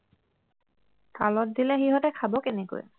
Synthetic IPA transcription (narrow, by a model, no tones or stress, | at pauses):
kalɔt̚dilɛxiɦɔtɛkʰabɔkeneko̰j